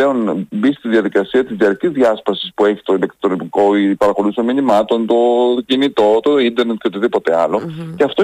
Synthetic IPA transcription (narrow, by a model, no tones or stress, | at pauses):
eo̞nbist̪iðʝɐðikɐsiɐt̪izðiɐɾcizðʝɐspɐsi̥spue̞çi̥t̪o̞ilektt̪onomiko̞pɐɾɐxo̞lusominimɐt̪o̞nt̪o̞cinit̪o̞t̪o̞ind̪e̞ɾnet̪ot̪eðipo̞t̪e̞ɐlo̞ceɐft̪o